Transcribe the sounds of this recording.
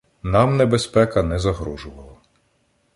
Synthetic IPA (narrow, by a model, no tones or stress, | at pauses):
nɑmnebespɛkɐnɛzɐɦɾuʒʊʋɐlˠɐ